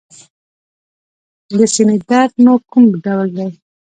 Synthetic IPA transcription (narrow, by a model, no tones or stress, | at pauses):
ləsinid̪aɾd̪nokumɖawld̪aj